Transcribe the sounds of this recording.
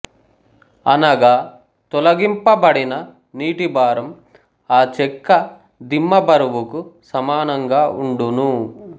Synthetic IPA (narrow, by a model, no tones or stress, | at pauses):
ɐnɐɡaː | t̪ɔlɐɡimpɐbɐɽinɐ | niːʈibaːɾɐm | aːt͡ʃɛkːɐ | d̪imːɐbɐɾɐʋukusɐmaːnɐŋɡaːʔuɳɖunu